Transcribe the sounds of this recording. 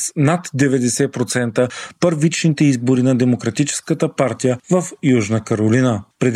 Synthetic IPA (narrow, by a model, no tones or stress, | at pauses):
snat̪d̪ɛvɛd̪ɛsɛpɾot̪sɛnt̪əpəɾvit͡ʃnit̪ɛizboɾinɐd̪ɛmokɾɐt̪it͡ʃɛ̥skət̪əpaɾt̪ijəvɐfjuʒnəkəɾolinəpɾɛd̪